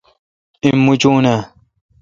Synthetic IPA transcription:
imːut͡ʃuna

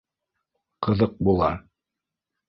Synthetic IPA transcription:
qɤ̆ðɤq̚bulˠɑ̰

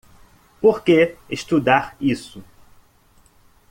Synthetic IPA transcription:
poɾkeest̪ud̪aɾisʊ

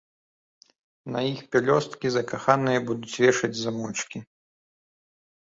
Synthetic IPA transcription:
nɐjixpʲɛlʲɔst̪kʲizɐkaxanɨjɐbud̪ut͡sʲvʲɛʂɐd͡zʲzɐmɔt͡ʂkʲi

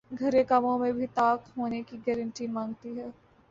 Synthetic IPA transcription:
ɡʱɐɾekamõmẽbʱit̪aːkɦoːnekiɡɛːɾə̃ɳʈimãːŋɡt̪iɦɛː

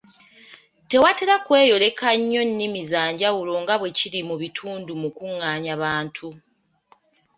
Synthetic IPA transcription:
te̞wateɾakwe̞ːjo̞le̞kaɲːo̞nːimizaːɲɟawulo̞ŋɡaβwe̞ciɾimuβitʰuːndumukuŋːaːɲaβaːntʰu

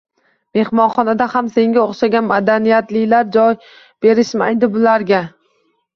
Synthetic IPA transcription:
me̞hmɒnχɒnad̪ahamse̞ŋɡʲaoχʃaɡʲanmad̪anijat̪lɪlaɾd͡ʒɒj | b̥e̞ɾɪʃma̰jd̪ɪbʊlaɾɡʲa

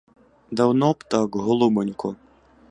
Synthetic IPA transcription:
d̪ɐwnɔpt̪ɑkɦɔlˠʊbɔnʲkɔ

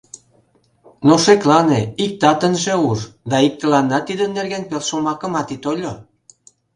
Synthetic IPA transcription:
noʃeklɑneik̚t̪ɑt̪ənʒeurd̪ɑik̚t̪ə̆lɑnːɑt̪id̪ə̆nːerɣænpelʃomɑkə̆mɑt̪it̪olʲo

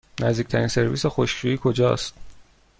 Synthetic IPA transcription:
nʔæzd̪iːc̚ʰʲt̪ʰæɾinse̞ɾviːsexo̞ʃʃuiːkʰo̞d͡ʒɒ̰ːst̪

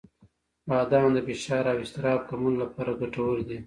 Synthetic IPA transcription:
bɑːd̪ɑnd̪əfɪʃɑːɾawɪst̪ɪɾɑːb̚kaɾmunlapɑːɾaɡaʈawəld̪i

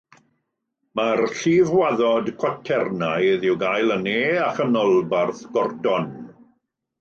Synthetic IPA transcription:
marɬiːvwaðɔdkʰwatʰɛrnajðɪwɡajlˠəneːaχənɔlˠbarθɡ̥ɔrdɔn

